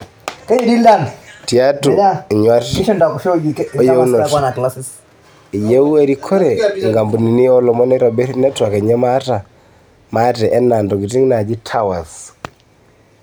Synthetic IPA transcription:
ka˦ji˨di˦la˦˨nti˨a˦tɔ˨a˦˨ɲwa˦tʃɔ˦nda˨kʃo˦d͡ʒi˨˦je˦u˦nɔ˨ka˦na˨kla˦si˨s | i˨je˦u˦e˦ɾi˦kʰɔ˦ɾɛ˨ŋɡa˨mbu˨ni˨ni˦ɔ˦lɔ˨mɔ˦nɛ˦ɾa˨bɛ˦nɛ˦twa˨kɛ˨ɲɛ˦ma˦ta˨ | ma˦tɛ˨ʔɛ˦na˨ndɔ˨ki˨ti˦ŋna˨d͡ʒi˦tʰa˦wa˨s

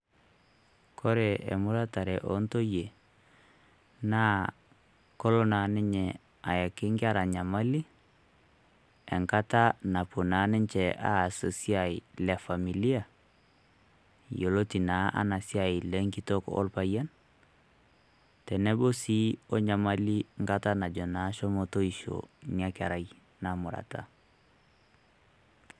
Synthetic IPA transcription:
kʰɔ˦ɾɛ˨ɛ̰˨mʊ˦ɾa˦ta˨ɾɛ˨ʔɔ̰˨˦nto˦je˨ | naː˦ | kɔ˦lɔ˦na˨nɪ˦ɲɛ˨ | a˨ja˨kɪ˦ŋɡa˦ɾa˨ɲa˨ma˦li˦ | ɛ˨ŋka˦ta˦na˨po˨na˨˦nɪ˦ɲt͡ʃɛ˨ʔa̰˦˨so˨si˦a˨i˨lɛ˨fa˨mi˨li˦a˨ | jo˨lo˦ti˨na˦ʔa̰˦na˨si˦a˨i˨lɛ˦ŋki˦tokɔ̰˦lpaja˦n | tɛ˨nɛ˦bo˦si˦ɔ˦ɲa˨ma˦li˦ŋka˦ta˦na˨d͡ʒɔ˨na˨˦ʃɔ˦moto˦i˨ʃo̰nia˦ka˨ɾa˨j | na˨mu˨ɾa̰˨ta̰˦

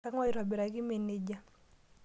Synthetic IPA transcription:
a˦ŋwɔ˦jɾa˨bɪ˨ɾa˨ɡɪ˦me˨ne˨d͡ʒa˦

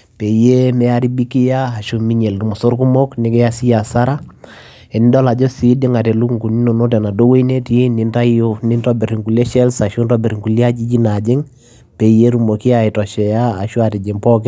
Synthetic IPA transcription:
pe˨je˦mɛ˦a˦ɾi˦bi˦kɪ˦jaː˦˨ʃo˨mi˦ɲe˨ltu˨mɔ˨so˦ɾku˦mɔ˦knɪ˨˦kɛ˦ja˦si˦ja˨sa˦ɾa˦ | ɛ˨n˦dɔ˦la˨d͡ʒɔ˦si˦dɪ˦ŋa˨tɛ˨lu˦kŋku˨ni˦no˨no˦tɛ˨na˨do˦we˦i˦ne˦ti˦nɪ˨˦nta˦jo˦nɪ˦ntɔ˦bɛ˨ɾi˨ŋku˨lɛ˦ʃɛ˦lsa˨ʃo˦ntɔ˦bɛ˨ɾi˨ŋku˨li˦a˦d͡ʒi˦d͡ʒi˦na˨d͡ʒɪ˦ŋ | pe˨je˦ɾu˨mo˨ki˦a˨ɪ˨tɔ˨ʃɛ˨jaː˦˨ʃu˦a˨ti˨d͡ʒɪ˨ŋpɔ˦kɛ˦

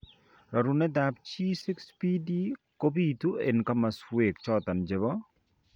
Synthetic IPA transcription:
ɾɔ˨ɾu˨nɛ˦d̪a˨pt͡ʃi˦si˦kspi˦di˦ | ko˦bi˦t̪u˦ḛ˨nka˦ma˨swe˨kt͡ʃɔ˦t̪a˨nd͡ʒe˨bɔ˦

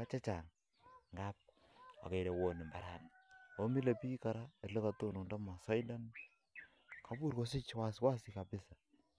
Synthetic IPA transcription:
a˦t͡ʃɛ˦t͡ʃa˨ŋ | ŋɡa˦p̚ | a̰˨ke˨ɾe˨wo˨nɪ˨mba˨ɾa˨no˨˦mi˦le˨pi˦ka˨ɾa˦e˨rle˦ka˨to˦˨nu˨nda˦ma˨sɔ˦jda˦n | kʰa˨˦bu˦ɾko˦s̬ɪ˦t͡ʃwa˦swa˦si˦ka˨bɪ˦sa˨

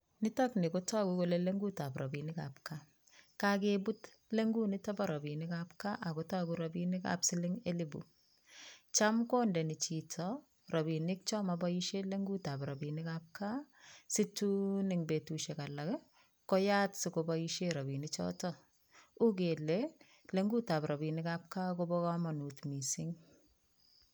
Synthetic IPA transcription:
nɪ˦ta˦knɪ˨kotɔ˦kuko˦le˦le˦ŋɡu˦ta˨prɔ˨bi˨nɪka̰pka | kakebu˦t | le˦ŋɡu˦nɪ˦tɔ˦bɔɾɔ˨bi˨nɪkapka˦ʔa˨kotɔ˦kuɾɔbinɪ˦ka̰psɪ˦lɪŋelɪbṵ | t͡ʃamkoː˦ndɛ˨ni˨t͡ʃitʰɔ | rabi˨nɪk̚t͡ʃɔ˦mabajiʃe˦leŋɡu˦ta˨pɾa˨bi˨nɪkap̚ka˦sɪtu˦nɪŋbe˨tuʃɛ˨ka˨la˨k | kɔja˦tsɪkobaiʃeɾa˨binɪt͡ʃɔ̰tɔ | u˦ke˨lɛ | le˦ŋɡu˦ta˨pɾa˨bi˨nɪkap̚ka˦ko˦bɔ˦kamanutmi˨sɪ˦ŋ

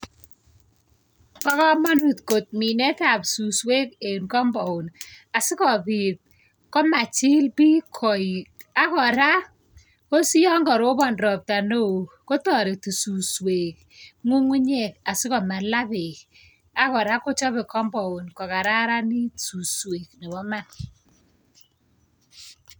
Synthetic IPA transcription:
kɔ˦kɔ˦mɔ˦nu˨tko˨t̚mi˨nɛ˦ta˨psu˨swe˦k̚e˨nkɔ˦mbɔ˨ʊ˨na˨sɪ˦kɔ˨bi˨t̚ | kɔ˦ma˨t͡ʃi˦lpi˦kʰɔ˨i˨a˦kɔ˨ɾa˦ | ko˦si˦jɔ˦ŋɡɔ˨ɾo˦bɔ˦˨nɾɔ˨p̚ta˨no˦˨ | ko˦tɔ˨ɾi˨tu˨su˨swe˨k̚ | ŋu˦ŋu˦ɲe˨ka˨sɪ˦kɔ˨ma˨la˦βe˨k | a˦kɔ˨ɾa˦ko˦t͡ʃɔ˦βɛ˨kɔ˦mbɔ˨ʊ˨nkɔ˨ka˨ɾa˦ɾa˦ni˦tsu˨swe˨kni˨bɔ˦ma˦n

